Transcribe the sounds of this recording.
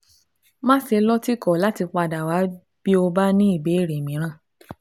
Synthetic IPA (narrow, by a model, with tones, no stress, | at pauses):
mãː˦se˧lɔ˦ti˦kɔ˨la˨˦ti˧k͡pa˧da˨wa˨˦ | b̥i˦o˧ba˦nĩ˦i˦˨be˨˦˨ɾe˨mĩ˨˦ɾ̃ã˦˨